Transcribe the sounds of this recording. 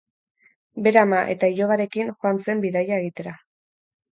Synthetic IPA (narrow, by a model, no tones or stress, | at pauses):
be̞ɾamaʔe̞t̪aiʎo̞ɣaɾe̞kiŋxoant͡se̞mbiðajae̞ɣit̪e̞ɾa